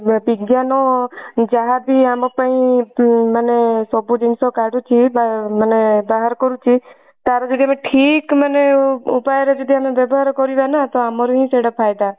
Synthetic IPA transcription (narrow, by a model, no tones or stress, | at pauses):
bɪɡjanod͡ʒaɦabiamãpaĩ | mənesɔbũd͡ʒinsokaɖũt͡ʃʰibamənebaɦaɾkɔɾũt͡ʃʰi | t̪aɾod͡ʒɔd̪ʱiameʈʰikməneupajɾed͡ʒɔd̪ʱiamebebɔɦaɾkɔɾid̪anat̪oamɔɾuɦĩseɽəpʰajd̪a